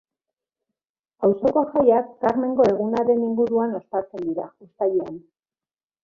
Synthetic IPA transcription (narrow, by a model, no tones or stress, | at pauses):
awso̞ko̞ʝajakːaɾme̞ŋɡo̞e̞ɣ̞unaɾe̞niŋɡuɾuano̞st̪at͡se̞nd̪iɾa̰ust̪aʎean